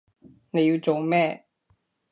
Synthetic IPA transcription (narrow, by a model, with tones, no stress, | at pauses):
ne˨˧ji˧t͡so˨mɛ˥˩˨